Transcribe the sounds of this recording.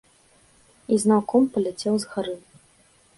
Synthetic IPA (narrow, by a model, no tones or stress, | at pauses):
iznawkɔmpɐlʲɛt͡sʲɛwzɣaɾɨ